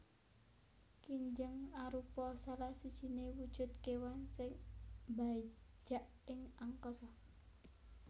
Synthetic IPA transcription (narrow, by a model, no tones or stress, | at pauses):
kiɲd͡ʒəŋaɾupɔsalasid̥ʒ̥i̤newud̥ʒ̥ʊ̤t̪̚kewansɪŋbai̥d͡ʒ̥aʔ | ɪŋaŋkɔsɔ